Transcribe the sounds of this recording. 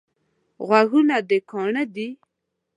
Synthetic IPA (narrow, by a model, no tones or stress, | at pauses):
ɣwaɣunad̪əkɑɳəd̪i